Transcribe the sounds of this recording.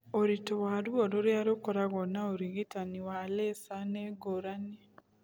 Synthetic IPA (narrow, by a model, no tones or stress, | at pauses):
oɾitowaɾuoɾoɾjaɾokoɾaɣonaoɾiɣitaniwalesaneɡoɾani